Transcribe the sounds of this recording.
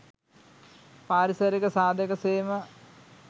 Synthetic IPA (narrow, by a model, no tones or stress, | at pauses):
paːɾisɐɾikɐsaːd̪ʱjɐkɐseːmɐ